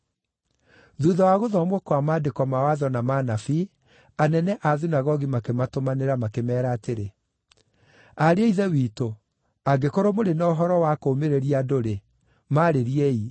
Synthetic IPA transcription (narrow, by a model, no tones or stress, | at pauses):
ðuːðɔwaɣoðɔmwɔkwamaːdekɔmawaðɔnamanafi | anɛnɛʔaðinaɣɔɣimakematomaneɾamakemɛːɾaːteɾe | aɾeeiðɛwiːto | aɡekoɾomoɾenaoɦɔɾɔwakoːmeɾeɾiadoɾe | maɾeɾiɛi